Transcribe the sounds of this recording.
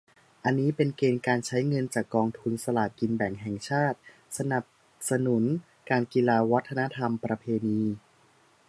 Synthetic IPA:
ʔa˧nːiː˦˥pe˧nkeː˧nkaː˧nt͡ɕʰa˦˥jŋɤ˧nt͡ɕaː˨˩kːɔː˧ŋt̪ʰu˧nsa˧laː˨˩t̪̚ki˧nbɛ˨˩ŋɦɛ˨˩ŋt͡ɕʰaː˥˩t̪̚ | sa˧na˨˩p̚ | sa˧nu˩˦n | kaː˧nki˧laː˧wa˦˥t̪ʰːa˧na˦˥t̪ʰa˧mpɾa˧pʰeː˧niː˧

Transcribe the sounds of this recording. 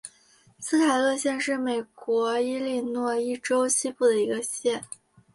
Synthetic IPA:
sɹ̩˥t̪ʰa˨˩ɪlɤ˥˧ɕjɛ˥˧nʂɻ̩˥˩me˨˩ɪkwɔ˧˥i˥li˥˧nwɔ˥˧i˥˩ʈ͡ʂo˥ʊɕʰi˥pu˥˩d̪ə˩i˧˥ɡə˧ɕjɛ˥˩n

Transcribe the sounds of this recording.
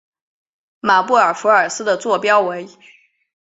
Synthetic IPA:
ma˨˩pu˥˩ə˞˨˩fu˧˥ə˞˨˩sɹ̩˥d̪ə˨t͡swɔ˥˩pjɑ˥ʊwe˧˥ɪ

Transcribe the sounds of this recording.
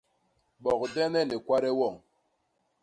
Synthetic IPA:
ɓɔ˨kdɛ˦nɛ˦˨ne˨kwa˦ɾɛ˦wɔ˦˨ŋ

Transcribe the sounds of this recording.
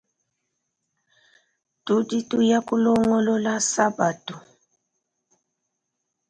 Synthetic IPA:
tu˦di˦tu˦ja˦kʼu˦lɔ˦ŋɔ˦lɔ˦la˦sa˦ba˨tu˨

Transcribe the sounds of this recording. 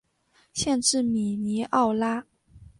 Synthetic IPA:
ɕjɛ˥˧nʈ͡ʂɻ̩˥˩mi˨˩ni˧˥ʔɑ˥˩ʊla˥

